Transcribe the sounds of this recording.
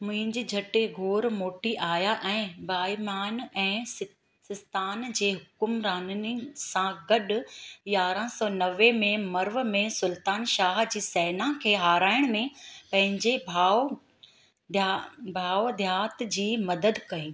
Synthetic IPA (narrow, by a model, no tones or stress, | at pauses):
mʊ̃ɦɪ̃ɲd͡ʑiːd͡ʑʱɐʈeɡʱoːɾmoːʈiʔaːjaʔɛ̃ːbaːimaːnɛ̃ː | sɪst̪aːnd͡ʑeːɦʊkʊmɾaːnənɪsãɡɐɗjaːɾãsɔːnɐʋemẽmɐɾʋmẽsʊlt̪aːnʃaːɦd͡ʑiːsɛːnãkʰeːɦaːɾaːɪɽ̃mẽpɐ̃ɦɪ̃ɲd͡ʑebʱaː | bʱaːod̪ʱjaːt̪d͡ʑiːmɐd̪əd̪kɐiː